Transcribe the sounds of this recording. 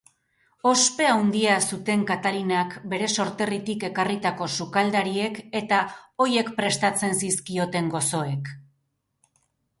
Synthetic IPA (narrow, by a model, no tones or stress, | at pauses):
o̞spe̞awnd̪iasut̪e̞ŋkat̪alinakbe̞ɾe̞so̞ɾt̪e̞rit̪ike̞karit̪ako̞sukald̪aɾie̞ke̞t̪ao̞je̞kpɾe̞st̪at͡se̞nsiskio̞t̪e̞ŋɡo̞so̞e̞k